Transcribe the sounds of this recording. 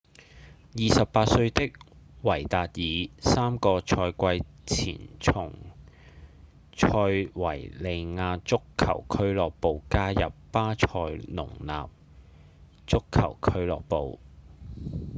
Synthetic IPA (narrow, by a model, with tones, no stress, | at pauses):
jiː˨sɐ˨ppaː˧t̚sɵ˧ɥt̪ɪ˥k̚wɐ˨˩jt̪aː˨t̚jiː˨˧saː˥mkɔː˧t͡ʃʰɔː˧jkʷɐ˧j | t͡sʰḭː˨˩nt͡sʰʊ˨˩ŋ | t͡ʃʰɔː˧jwɐ̰˨˩jle˧jŋaː˧t͡sʊ˥kʰːɐ̰˨˩wkʰɵ˥ɥlɔː˨k̚po˨wkaː˥jɐ˨pːaː˥t͡ʃʰɔː˧jnʊ̰˨˩ŋna̰ː˨p̚ | t͡sʊ˥kʰːɐ̰˨˩wkʰɵ˥ɥlɔ̰ː˨k̚po˨w